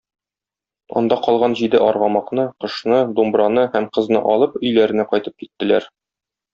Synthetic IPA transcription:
ɒ̰nd̪ɑqɒlˠʁɑnʑid̪ɘʔɒɾʁɑmɑqnɤqɤ̆ʃnɤd̪umbɾɑnɤhæmqɤ̆znɤ̰ʔɒlˠɤpɵ̆jlæɾɘ̆næqɒjt̪ɤp̚kit̪ːɘ̆læɾ

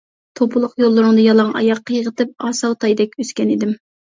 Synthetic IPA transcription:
t̪ʰopʰʊlˠʊqjolˠːʊɾʊŋd̪ɑjɑlˠɑŋɑ̰jɑqːəjəʁət̪ɨp̚ɑsɑwt̪ʰɑjd̪ɛkʲøskʲɛnid̪ɪm

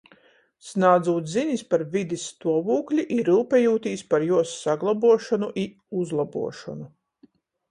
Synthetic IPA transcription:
snaːd̪zuːt̪ziɲispaɾvʲid̪ist̪uɔvuːklʲiʔiɾɨːpɛjuːt̪iːspaɾjuɔsːaɡlˠabuɔʃɔnuʔi | uzlˠabṵɔʃɔ̰nu

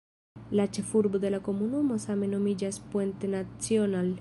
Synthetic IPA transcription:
lat͡ʃe̞fuɾbo̞d̪e̞lako̞munumo̞same̞no̞mid͡ʒaspwent̪enat͡sional

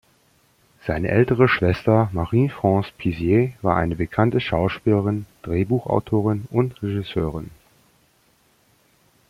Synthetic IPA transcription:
z̥aɪnə̰ʔɛltəʁ̞əʃv̥ɛstɐmaʁiːfʁ̥ɑ̃ːspʰizjevaːɐʔa̰ɪnəbəkʰantəʃaʊʃpiːləʁɪnd̥ʁeːbuːxa̰ʊtʰoːʁɪnʊntʁɛʒɪsøːʁɪn

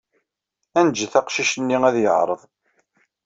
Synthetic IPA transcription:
ænd͡ʒːəθæqʃiʃənːiŋæðjəʕɾˤəðˤ

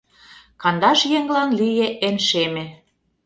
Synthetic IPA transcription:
kɑnd̪ɑʃjeŋlɑnlijeʔenʃemĕ

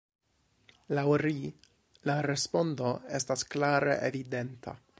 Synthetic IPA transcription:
lawɾi | laɾe̞spo̞ndo̞e̞stasklaɾe̞̰ʔevide̞ntʰa̰

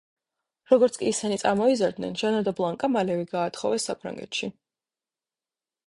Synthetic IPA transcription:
ɾɔɡɔɾt̪sʰkʼiːsɛnit̪sʼaɾmɔizaɾd̪nɛ̰nʒanad̪ablˠaŋkʼamalɛviɡaːt̪χɔvɛsːapʰɾa̰ŋɡɛ̰t̪ʃi

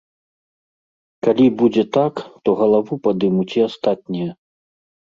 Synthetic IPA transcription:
kalʲibud͡zʲɛt̪akt̪ɔɣɐlˠavupad̪ɨmut͡sʲiast̪at̪̚ʲnʲijɐ

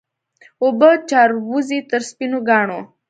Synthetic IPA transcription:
obət͡ʃaɾwuzit̪əɾspinuɡɑːɳo

